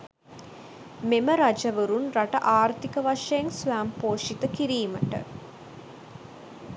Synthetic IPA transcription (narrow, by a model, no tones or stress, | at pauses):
meməɾad͡ʒəʋəɾunraʈəʔaːɾt̪ikəʋaʂɐjeŋsʋæːmpoːʂit̪əkiɾiːməʈə̰